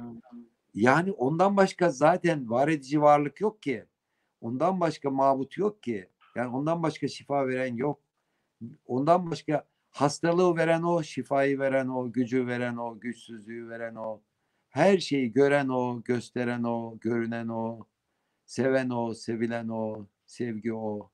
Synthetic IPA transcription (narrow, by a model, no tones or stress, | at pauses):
jaːniʔo̞nd̪anbaʃkazaːt̪ʰænvaɾe̞d̪id͡ʒivaɾlˠɯkjo̞k̚cʰi | o̞nd̪anbaʃkamaːbut̪ʰjo̞k̚cʰi | jaːno̞nd̪anbaʃkaʃifaːve̞ɾænjo̞k̚ | o̞nd̪anbaʃka | hast̪alˠɯve̞ɾæno̞ʃifaːjɯve̞ɾæno̞ɟyd͡ʒyve̞ɾæno̞ɟyt͡ʃsyzlʲyjyve̞ɾæno | hæɾʃe̞jiɟø̞ɾæno̞ɟø̞st̪ʰe̞ɾænoɟø̞ɾynæno | se̞væno̞se̞vilʲæno̞ | sɛvɟio